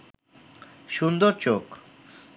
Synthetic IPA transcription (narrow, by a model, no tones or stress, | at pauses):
ʃund̪oɾt͡ɕok